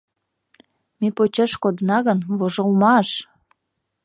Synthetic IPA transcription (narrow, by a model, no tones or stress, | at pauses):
mepot͡ɕeʃkod̪ənɑɣənvoʒəlmɑʃ